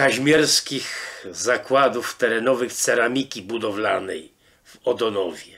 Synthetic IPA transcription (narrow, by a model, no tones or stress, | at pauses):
kaʑmʲɛɾskʲixzakwad̪uft̪ɛɾɛnɔvɘxt̪sɛɾamʲikʲibud̪ɔvlanɛ̰j | vɔd̪ɔnɔvʲjɛ